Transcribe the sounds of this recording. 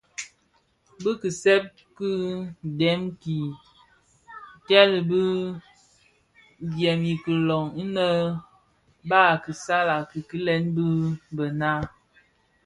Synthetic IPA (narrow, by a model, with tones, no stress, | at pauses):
bɨ˦ki˨sɛ˦p̚ | kɨ˦dɛ˨˦mki˨ | tɛ˦lbɨ˦ | bjɛ˨mi˨kə˨lɔ˨ŋi˦nə˦ | ba˦˨ki˨sa˦la˨ki˨ki˦lɛ˦nbɨ˦bə˨na˦